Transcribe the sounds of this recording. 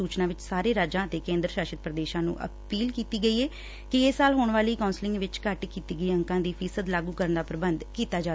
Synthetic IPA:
uːt͡ʃnãːʋɪt͡ʃsaːɾeːɾaːd͡ʒãːət̪eːkẽːnd̪ɾəʃaːʃɪt̪̚pɾəd̪eːʃãːnṵ̃ːʔə̰piːlkiːt̪iːɡəiːɛː | kɪesaːlɦoːɳʋaːliːkãːnslɪ̃ŋɡʋɪt͡ʃkəʈkiːt̪iːɡəiːəŋkãːd̪iːpʰiːsəd̪laːɡuːkəɾəɳd̪aːpɾəbənd̪kiːt̪aːd͡ʒaː

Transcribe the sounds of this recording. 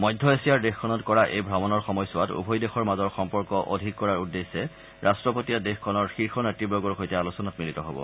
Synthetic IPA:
mɔjdʱːɔesijaɹdexkʰːɔnɔtkɔɹaʔejbʱɹamɔnɔɹxɔmɔjsʊwatṵbʱɔjdexɔɹmazɔɹxɔmpɔɹkɔʔodʱikːɔɹaɹudːesɛ | ɹʔastɹɔpotiadexkʰɔnɔɹxiɹxʰɔnatibɹoɡɔɹxojtɛalusɔnatmilitɔɦo̰bɔ̰

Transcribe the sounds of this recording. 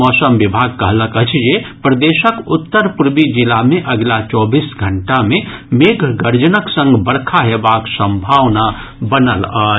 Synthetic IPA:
ɔsəmbibʱaɡ̚kəɦləkət͡ʃʰd͡ʒepɾəd̪esəkut̪ːəɾpuɾbid͡ʒilameʔəɡlat͡ʃɔbisɡʱəɳʈamemeɡʱɡəɾd͡ʒənəksə̃ŋɡbəɽkʰaɦebaksə̃mbʱaʋna | bənəla

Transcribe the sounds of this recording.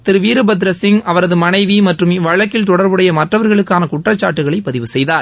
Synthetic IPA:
t̪ːɪɾɯʋiːɾɯbɐd̪ɾɐsɪŋɐʋɐɾɐðɯmɐnɐɪʋimɐʈrɯmʋɐɻɐkːɪlt̪ɔɽɐɾbɯɽɐjɐmɐʈrɐʋɐɾɣɐɭɯkːaːnɐkʊʈːrɐt͡ʃːaːʈːɯɣɐɭɐɪpɐðɪʋɯsɛjðaːɾ

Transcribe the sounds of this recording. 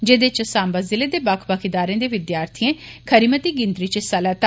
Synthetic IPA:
d͡ʒeːd̪et͡ʃsãːmbəzɪleːd̪eːbakʰbaːkʰid̪aːɾẽːd̪eːʋɪd̪jaːɾt̪ʰijẽːkʰəɾimət̪iːɡɪ̃nd̪ɾiːt͡ʃəsəlaːt̪

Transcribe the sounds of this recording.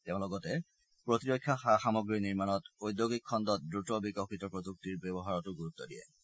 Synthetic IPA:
tɛʊ̃lɔɡɔtɛ | pɹotiɹokʰːjaxaxamɔɡɹiniɹmanɔtojd̪joɡikʰːɔndɔt̚dɹutɔbikɔkitɔpɹoduk̚tiɹbɛbɔɦaɹɔtʊɡuɹut̪ːɔdijɛ̰

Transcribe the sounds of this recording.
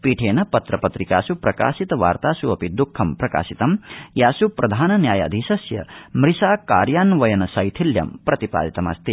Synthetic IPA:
piːʈʰeːnɐpɐt̪ɾɐpɐt̪ɾika̰ːsupɾɐka̰ːsit̪ɐʋa̰ːɾt̪aːsuɐpid̪ukʰːɐmpɾɐka̰ːsit̪ɐmjaːsupɾɐd̪ʱaːnɐnjaːja̰d̪ʱiʃɐsjɐ̰mɾisaːka̰ːɾjaːnʋɐjɐnɐsɐjt̪ʰiljɐ̰mpɾɐt̪ipa̰ːd̪it̪ɐmɐ̰st̪i

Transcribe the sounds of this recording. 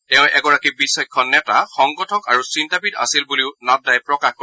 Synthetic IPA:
tɛʊ̃ʔɛɡɔɹakibisɔjkʰːɔnːɛtaxɔŋɡɔtʰɔkaɹusintabida̰silbuliʊnat̚dajpɹɔkaxko

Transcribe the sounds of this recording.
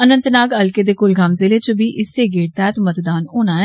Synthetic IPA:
ənə̃nt̪naːɡəlkeːd̪eːkʊlɡʱamzɪleːt͡ʃəbiːʔɪseːɡeːɽ̚t̪ɛːt̪mət̪d̪aːnoːnaːɛː

